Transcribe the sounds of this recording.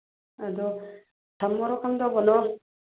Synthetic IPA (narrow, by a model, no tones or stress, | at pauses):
ad̪ɔ | tʰamːɔɾɔkʰaŋdɔbɔnɔ